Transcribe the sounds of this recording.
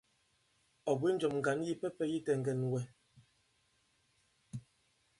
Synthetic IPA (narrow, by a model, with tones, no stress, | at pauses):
ɔ˨bwi˦n˦d͡ʒɔ˨mŋ̩˨ɡa˨˦n˦ji˦pɛ˦pɛ˦ji˦tɛ˨ŋ̩˨ɡɛ˨nwɛ˦